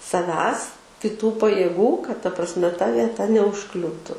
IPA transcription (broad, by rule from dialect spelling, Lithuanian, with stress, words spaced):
sɐˈʋʲæːs kʲɪˈtuː pɐjeːˈɡuː kɐt tɐ prɐsʲˈmʲɛ tɐ ʋʲiɛˈtɐ nʲɛʊʃˈklʲuːtʊ